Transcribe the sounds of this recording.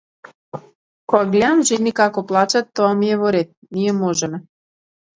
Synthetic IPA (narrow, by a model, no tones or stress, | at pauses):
koaɡlʲeamʒinikɑkoplˠat͡ɕat̪ːoamjeβoɾet̪̚nijemoʒem